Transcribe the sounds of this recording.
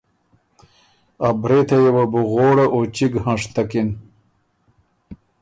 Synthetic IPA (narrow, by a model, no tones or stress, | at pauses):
abɾet̪ɐjewɐbuɣoːɽaʔot͡ɕiɡhãʂt̪ɐkin